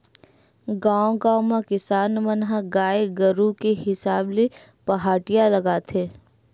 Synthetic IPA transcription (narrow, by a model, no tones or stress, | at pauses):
ɡãːõɡãːwmãkɪsaːnmənɦaɡaːeɡəɾukeɦɪsaːble | pɐɦaːʈɪjalɐɡaːt̪ʰeː